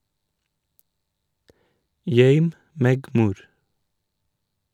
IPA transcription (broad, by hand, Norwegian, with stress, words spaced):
ˈjœʏm ˈmeːɡ ˈmuːɾ